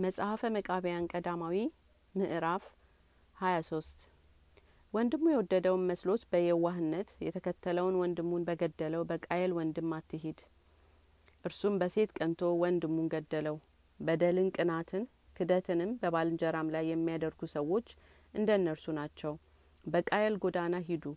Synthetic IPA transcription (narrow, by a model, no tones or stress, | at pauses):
məsʼhafəməkʼaβəjankʼəd̪amawi | mɨʔɾaf | hajaso̞st̪ | wɔnd̪ɨmːujɛwɔd̪ːəd̪əwnməslo̞t̪bəjɛwaɦɨnːət̪jɛt̪ʰəkʰət̪ʰːələwnwɔnd̪ɨmːunbəɡəd̪ːələwbəkʼajɛlwɔnd̪ɨmːat̪ːɨɦed̪ | ʔɨɾsumbəse̞t̪kʼənt̪ʰo̞wɔnd̪ɨmːunɡəd̪ːələw | bəd̪əlɨnkʼɨnat̪ʰɨn | kʰɨd̪ət̪ʰɨnɨmbəbalɨnd͡ʒəɾamlajːɛmːijad̪əɾɡusəwːo̞t͡ʃː | ʔɨnd̪ənːəɾsunat͡ʃːɛw | bəkʼajɛlɡod̪anaɦid̪u